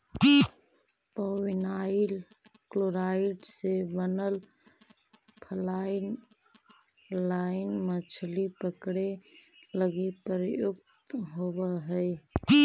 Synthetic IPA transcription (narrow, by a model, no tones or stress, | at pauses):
pəwinaɪil | kloɾaɪʈsebənəl | pʰəlaɪn | laɪnmət͡ʃʰlipəkɽeləɡepɾjukt̪ɦobəɦəɪ